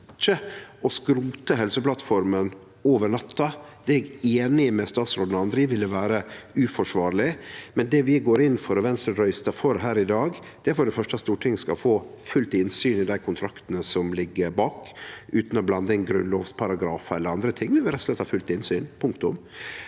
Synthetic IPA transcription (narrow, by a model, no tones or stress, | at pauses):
t͡ʃəʔɔskɾuːt̪əɦɛlsəplɑt̪fɔɾmən | oːʋəɳɑt̪ʰːɑ | d̪̥ɛɛɡeːnɪmɛst̪ɑːt̪sɾoːd̪nɑnd̪ɾɪʋɪlːəʋæːɾəʉːfɔʂʋɑːɾlɪmɛnd̪ɛʋɪɡoːɾɪnːfɔɾɔʋɛnst̪ɾəɾœʏst̪ɑfɔɾɦæːɾɪd̪ɑːɡd̪ɛæɾfɔɖɛfœʂʈɑst̪uːʈʰɪŋskɑ̰lfoːfʉlt̪ɪnsyːnɪd̪æɪkʰʊnt̪ʰɾɑkt̪nəsɔmlɪɡːəɾbɑːkʉːt̪nɔblɑnd̪əɪnɡɾʉ̰nloːʋspʰɑɾɑɡɾɑːfɑɛləɾɑnd̪ɾət̪ʰɪŋːʋɪʋɪlɾɛtslɛt̪ːhɑːfʉlt̪ɪnsyːnpʰʊŋkt̪ʊ̰m